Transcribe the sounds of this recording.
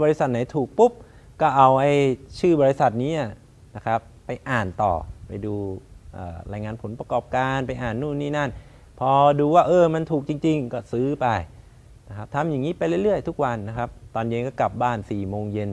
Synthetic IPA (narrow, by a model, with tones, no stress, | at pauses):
bɔː˧ɾi˧˥sa˨˩t̪̚na˨˦jt̪ʰuː˨˩k̚pu˦˥p̚ | kɔː˥˩ʔa˧wʔa˧jt͡ɕʰɯː˥˩bɔː˧ɾi˧˥sa˨˩t̪̚niː˦˥˩ | na˦˥kʰa˦˥pːa˧jʔaː˨˩nt̪ɔ̰ː˨˩pa˧jduː˧ʔa̰ː˨˩ɾaː˧jŋaː˧npʰo˩˦npɾa˧kɔː˨˩p̚kaː˧npa˧jʔaː˨˩nːuː˥˩niː˧˥˩na˥˩n | pʰɔː˧duː˧waː˥˩ʔɤː˧ma˧nt̪ʰuː˨˩k̚t͡ɕi˧ŋt͡ɕi˧ŋkɔː˥˩sɯː˦˥pa˧j | na˦˥kʰa˦˥p̚t̪ʰa˧mja˨˩ŋːiː˦˥pa˧jɾɯ˥˩jɾɯ˥˩əjt̪ʰu˦˥k̚wa˧nːa˦˥kʰɾa˦˥p̚t̪ɔː˧nje˧nkɔː˥˩kla˨˩p̚baː˥˩nsiː˨˩moː˧ŋje˧n